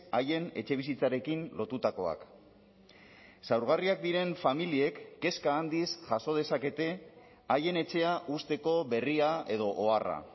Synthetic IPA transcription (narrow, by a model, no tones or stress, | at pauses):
aje̞ne̞t͡ʃe̞β̞isit͡saɾe̞kinlo̞t̪ut̪ako̞a̰k | sawɾɣ̞ariak̚d̪iɾe̞ɱfamilie̞kːe̞skaːnd̪isʝaso̞ð̞e̞sake̞t̪e̞ | aje̞ne̞t͡ʃe̞aʔust̪e̞ko̞βe̞riae̞ðo̞ʔoara̰